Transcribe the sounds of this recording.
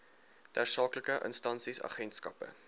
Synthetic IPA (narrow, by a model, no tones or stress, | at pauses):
dæːrsɑːkləkəʔə̰nstɐnsisɑ̰χɛntskɐpə̰